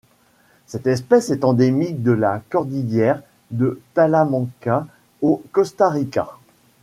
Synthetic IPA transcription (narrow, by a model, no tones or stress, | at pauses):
sɛt̪ɛspɛsɛt̪ɑ̃d̪emik̚d̪əlakɔʁd̪ijjɛʁ | d̪ət̪alamɑ̃ka | okɔst̪aʁika̰